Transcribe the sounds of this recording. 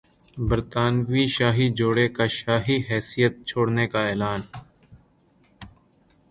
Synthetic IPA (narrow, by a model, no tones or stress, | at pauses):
bəɾt̪aːnʋiʃaːɦid͡ʒoːɽekaʃaːɦiɦɛːsijət̪̚t͡ʃʰoːɽnekaɛːlaːn